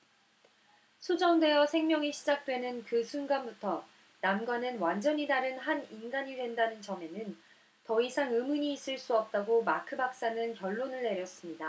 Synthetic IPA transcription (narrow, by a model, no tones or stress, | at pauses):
sʰod͡ʑʌŋde̞jʌsʰe̞ŋmjʌŋiɕʰid͡ʑak̚t͈we̞nɯnkɯsʰunɡanbutʰʌ | namɡwanɯnwand͡ʑʌɲidaɾɯnɦaninɡaɲidwe̞ndanɯnt͡ɕʌme̞nɯn | tʌisʰaŋɯmuɲiːs͈ɯɭs͈uʌp̚t͈aɡomakʰɯbak̚s͈anɯnkjʌɭːonɯɭne̞ɾjʌs͈ɯmɲida